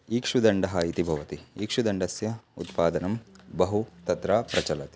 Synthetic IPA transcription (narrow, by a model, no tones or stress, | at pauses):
iːkʂud̪ɐɳɖɐɦɐit̪ibʱɐʋɐt̪iiːkʂud̪ɐɳɖɐsjɐṵt̪paːd̪ɐnɐmbɐɦut̪ɐt̪ɾaːpɾɐt͡ʃɐlɐt̪i̥